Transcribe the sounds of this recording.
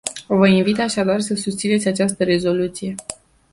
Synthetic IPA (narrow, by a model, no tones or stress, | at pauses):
vəinvit̪aʃad̪arsəsust̪sinesʲat͡ʃast̪əɾe̞zo̞lut̪sije̞